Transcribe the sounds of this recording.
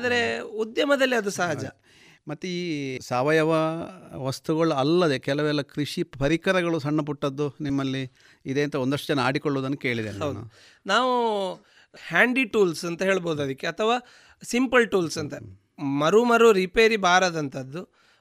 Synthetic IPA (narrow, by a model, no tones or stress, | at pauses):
aːd̪ɐɾe̞ud̪jɐmɐd̪ɐlːiɐd̪usɐɦɐd͡ʒɐ | mɐt̪ːeiːsaːʋɐjɐʋɐʋɐst̪uɡɐɭuɐlːɐd̪ekɛlɐʋɛlːɐkɾiʂipɐɾikɐɾɐɡɐɭusɐɳːɐp̬uʈːɐd̪ːunimːɐlːi | id̪e̞ːnt̪ɐond̪ɐʂʈɐd͡ʒɐnːɐaːɽikoɭːuːd̪ɐnːuke̞ːɭid̪eɐwdnːṵ | naːʋu | haːɳɖiʈuːlsɐnt̪ɐɦe̞ːɭboːd̪uɐd̪ikːeɐt̪ʰɐʋaː | simpɐlʈuːlsɐnt̪ɐ | mɐɾumɐɾuɾipeːɾibaːɾɐd̪ɐnt̪ʰɐd̪ːu